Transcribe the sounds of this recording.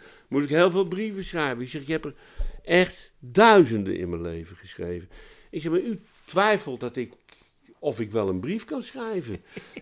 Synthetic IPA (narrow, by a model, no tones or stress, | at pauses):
mutɪkɦeːlˠveːlˠbrivəsχrɛjvənɪksɛxɪkhɛpər | ʔɛxtdœɥzəndə̰nʔɪ̰nmənlḛjvəχəsχrejvən | ɪksɛxmay | tʋɛjfəlˠdɔtɪk | ɔfɪkʋɛlˠənbrifkɑnsrɛjvən